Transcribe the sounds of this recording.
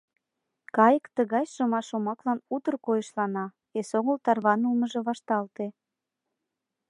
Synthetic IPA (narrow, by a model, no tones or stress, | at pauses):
kɑjəkt̪əɣɑjʃəmɑʃomɑklɑnut̪ə̆rkojəʃlɑnɑ | esoŋəlt̪ɑrβɑnulməʒĕβɑʃt̪ɑlt̪e